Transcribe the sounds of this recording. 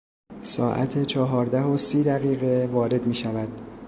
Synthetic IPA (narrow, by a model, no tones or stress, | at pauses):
sɒ̰ːʔæ̰t̪ʰet͡ʃʰɒːɦɒːɾd̪æɦosiːd̪æɣiːɣe̞vɒːɾe̞d̪miːʃævæd̪̥